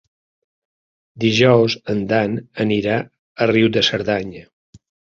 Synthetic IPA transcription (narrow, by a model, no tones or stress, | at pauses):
d̪iʒɔwzənd̪anəniɾa | əriwðəsəɾðaɲə